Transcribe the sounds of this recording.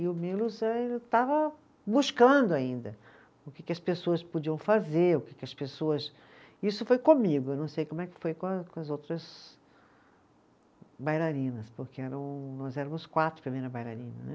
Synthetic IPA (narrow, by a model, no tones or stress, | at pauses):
ɪʊmilʊzɛelt̪avɐ | buskɐ̃d̪ʊaĩnd̪ɐ | ʊkɪkɪɐspesoɐspud͡ʒiɐ̃w̃fazeɾʊkɪkɪɐspesoɐs | isʊfojkõmiɡʊewnɐ̃w̃sejkõmʊɛkɪ̥fojkõkõɐzowt̪ɾɐz | bajlaɾĩnɐspʊɾkeɛɾɐ̃w̃nɔzɛɾɐmʊskwat̪ɾʊ̥pɾimejɾɐbajla̰ɾĩnɐ̰nɛ̰